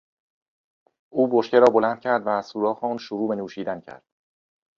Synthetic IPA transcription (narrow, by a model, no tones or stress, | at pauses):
ʔuːboʃce̞ɾɒːbo̞lænd̪̥̚cʰæɾd̪væːz̥suːɾɒːxeɒːnʃuɾuːbe̞nuːʃiːd̪æncʰæ̰ɾd̪̥